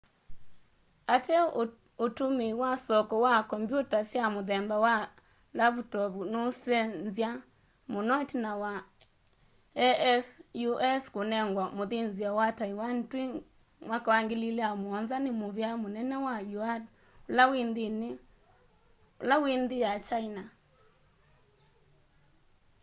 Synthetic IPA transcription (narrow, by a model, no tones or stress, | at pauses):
atɛ | otumiwasɔkɔwakɔmbjutasjamoðɛmbawa | laβutɔβunosɛnzja | monɔtinawa | ɛɛsjuʔɛskonɛŋɡwamoðinzjawataiwan̩twi | mwakawaŋɡililɛamwɔnzanimoβjamonɛnɛwajuad | olawindini | olawindijat͡ʃaina